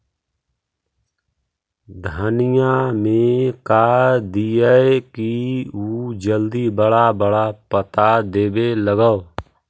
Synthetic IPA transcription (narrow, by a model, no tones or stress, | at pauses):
d̪ʱənɪjãmẽkaːd̪iəekiud͡ʒəld̪ibəɽabəɽapət̪ad̪eːbeləɡəo